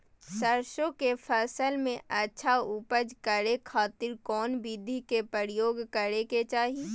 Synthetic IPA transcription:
səɾʃõkepʰɛːsəlmẽʔətːʃʰaupəd͡ʒkəɾekʰaːt̪ɪɾkɔːnbid̪ʱikepəɾɪjoːɡkəɾeket͡ʃaːɦi

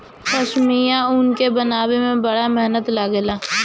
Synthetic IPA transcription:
xɐʃmijãʊnkebənaːbemẽbəɽamɛɦnət̪laɡlaː

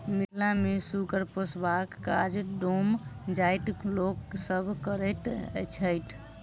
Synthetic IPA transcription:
miɦlamesuɡəɾposbakːa̰d͡ʒɖomd͡ʒajʈ̪loksəbʱkəɾət̪t͡ʃʰəjʈ̪ʰ

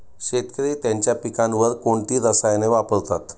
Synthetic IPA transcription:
ɕet̪kəɾet̪jaɲt͡ɕjapikãnʋəɾkoɳʈ̪iːɾəsajneʋapəɭt̪at̪

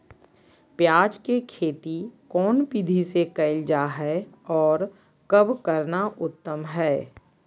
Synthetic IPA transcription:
pjaːd͡ʒkekʰeːt̪ikɔːnpid̪ʱisekɐɪld͡ʒaɦɛɔːɾ | kəbkəɾnaʊt̪ːəmɦɛː

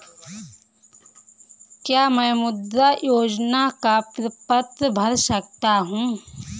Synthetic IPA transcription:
kjaːmɛ̃ːmʊd̪ːajoːd͡ʒnakapɾɪpət̪bʱɐɾsək̚t̪aɦũː

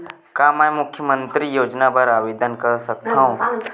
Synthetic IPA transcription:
kaːmɛmʊkʰːjəmə̃nt̪ɾijoːd͡ʒnapɐɾaːʋeːd̪ənkɐɾsɐkt̪aɦõ

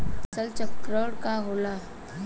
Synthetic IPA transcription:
əsəlt͡ɕəkɾəɽkaɦola

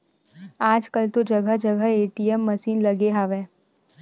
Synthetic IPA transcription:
aːd͡ʒkəlt̪od͡ʒɐɡəd͡ʒɐɡəeːʈiɛmːɐsiːnlɐɡeɦaːʋẽː

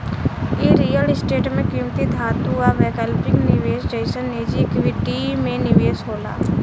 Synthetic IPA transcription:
jeːɾiːjəlɪsʈeːʈmẽkimt̪id̪ʱaːt̪uaʋeːkəlpɪ̃ŋɡnɪʋeːsd͡ʒəɪsəneːd͡ʒikʋiɖiːmẽnɪʋeːsɦoːla̰ː

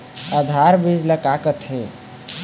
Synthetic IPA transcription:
əd̪ʱaɾbid͡ʒləkakət̪ʰe

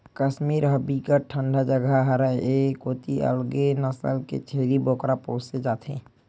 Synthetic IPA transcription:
kəʃmiːɾɦəbikəʈʰə̃ɳɖʱad͡ʒəɡʱaɦəɾəekoːt̪iʔə̰lɡenəsə̰lkḛt͡ʃʰeːliboːkɾapõːsed͡ʒaːt̪ʰḛ̃ː

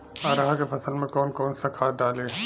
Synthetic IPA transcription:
aːɾaɦakefɐsəlmẽkɔːnkɔːnsɐkʰaːɖaːle

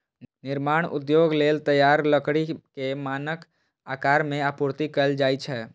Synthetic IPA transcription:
nɪɾmaːɽ̃ʊ̰d̪joːɡleːlt̪əjaːɾləkɽikemaːnək | aːkaːɾmẽapʊɾt̪ikəld͡ʒaːit͡ʃʰɛ

